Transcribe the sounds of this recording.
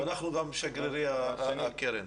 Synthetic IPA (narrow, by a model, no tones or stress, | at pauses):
anaχnuɡamːʃaɡɾiɾiaakeɾen